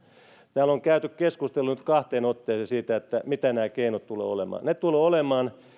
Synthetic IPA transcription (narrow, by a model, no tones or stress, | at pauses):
t̪æːloŋkæyt̪ykkeskust̪elːunyt̪kɑht̪eːnot̪ːeːsesiːt̪æet̪ːæmit̪ænæːkeinot̪t̪ulḛːolemɑ̰ːnnet̪uloːolemɑːn